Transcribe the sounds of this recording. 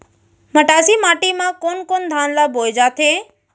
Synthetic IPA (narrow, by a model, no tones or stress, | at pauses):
məʈaːsiːmaːʈimãkoːnkoːnd̪ʱãːnlaːboːd͡ʒaːt̪ʰẽː